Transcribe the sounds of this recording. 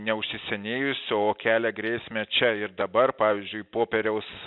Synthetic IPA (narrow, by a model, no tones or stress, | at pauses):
nʲɛʊʃʲsʲɪsʲɛnʲeːjʊsʲoːkʲæːlʲɛɡɾʲeːsʲmʲɛt͡ʃʲɛɪɾd̪ɐbɐrpɑːʋʲɪzʲd͡ʒʲʊɪpoːpʲɛɾʲɛʊs